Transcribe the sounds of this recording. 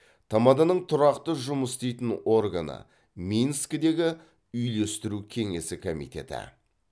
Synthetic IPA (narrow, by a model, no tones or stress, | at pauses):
t̪ʰamɑd̪ɑnəɴt̪ʰʊɾɑqt̪əʒʊməst̪ejt̪ɪno̞rɡanə̰ | minskd̪e̞ɡʲɪ | ʏjle̞st̪ɪɾukʲʰe̞ŋe̞sɪkʰomḭjt̪ʲe̞̰t̪ɪ̰